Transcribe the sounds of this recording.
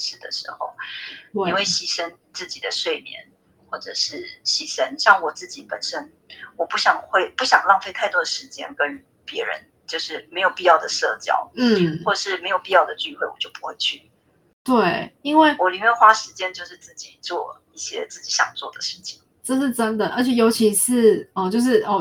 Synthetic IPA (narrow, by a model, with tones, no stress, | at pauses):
ʂɻ̩˥˩d̪ə̰˩ʂɻ̩˧˥xo˥˧ʊi˥nwe˥˩ɪɕi˨˩ʂə˦˥n | t͡sɹ̩˥˩t͡ɕi˨˩d̪ə˦ʂwe˥˩ɪmjɛ̰˧˦n | xwɔ˥˩ʈ͡ʂɤ̰˨˩ʂɻ̩˥˩ɕi˨˩ʂə˥nɕjɑ˥˩ŋwɔ˨˩t͡sɹ̩˥˩t͡ɕi˨˥pə˨˩nʂə˦˥n | wɔ˨˩pu˥˩ɕjɑ˨˩ŋxwe˥˧ɪpu˥˩ɕjɑ̰˨˩ŋlɑ˥˧ŋfe˥˧ɪt̪ʰa˥˩ɪt̪wɔ˥d̪ə˨ʂɻ̩˧˥t͡ɕjɛ̰˥nkə˦˥ny˧˩ | pjɛ˧˥ɻə̰˧˦n | t͡ɕjo˥˧ʊʂɻ̩˥˩me˧˥ɪjo˨˩ʊpi˥˧jɑ˥˩ʊd̪ə˩ʂɤ˥˧˩t͡ɕjɑ̰˥ʊn̩˥˩wɔ˥˩ʈ͡ʂə˨˩ʂɻ̩˥˩me˧˥ɪjo˨˩ʊpi˥˧jɑ˥˩ʊd̪ə˩t͡ɕy˥˧xwe˥˩ɪwɔ̰˨˩t͡ɕjo˥˩ʊpu̥˧˦xwe˥˧ɪt͡ɕʰy˥˩ | t̪we˥˩ɪi˥nwe˥˩ɪwɔ˨˦li˨˩mjɛ˥˩xwa˥ʂɻ̩˧t͡ɕjɛ˥nt͡ɕjo˥˧ʊʂɻ̩˥˧t͡sɹ̩˥˩t͡ɕi˨˩t͡swɔ̰˥˧ | i˥˩ɕjɛ̰˦˥t͡s̩˥˩t͡ɕi˨˥ɕjɑ̰˨˩ŋt͡swɔ˥˩d̪ə˩ʂɻ̩˥˩t͡ɕʰi̥˨˩˦ŋ | ʈ͡ʂɤ˥˧ʂɻ̩˥˩ʈ͡ʂə˦˥nd̪ə˨ʔə˞˧˥t͡ɕʰjɛ˨˩jo˧˥ʊt͡ɕʰi˧˥ʂɻ̩˥˩ɔ˥˨t͡ɕjo˥˧ʊʂ̬ɻ̩˥˩ʔɔ˧˩